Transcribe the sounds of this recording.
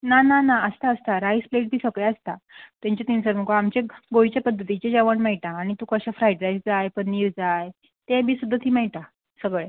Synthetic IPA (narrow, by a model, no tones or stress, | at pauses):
nananaəst̪aəst̪aɾajspleʈ̚bʱiːsəɡɭɛəst̪a̰t̪jãɲt͡ɕat̪insəɾm̤əkoamt͡ɕeɡojt͡ɕjapəd̪ʱːət̪it͡ɕed͡ʑaʋəɳmɛjʈ̪aːɽ̃it̪ukəɕafɾaiʈɾajsd͡zajpənniːɾd͡zaj | t̪ebʱiːsud̪ʱːat̪ʰiːmɛɭt̪a | səɡɭe